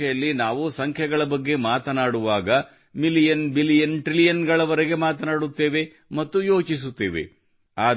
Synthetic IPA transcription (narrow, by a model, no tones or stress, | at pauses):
ɛjɐlːinaːʋusɐŋkʰjɐɡɐɭɐbɐɡːe̞maːt̪ɐnaːɽuʋaːɡɐ | milijɐnbilijɐnʈɾilijɐnɡɐɭɐʋɐɾɛɡe̞maːt̪ɐnaːɽut̪ːe̞ːʋe̞ | mɐt̪ːujo̞ːt͡ʃis̬ut̪ːeːʋḛ | aː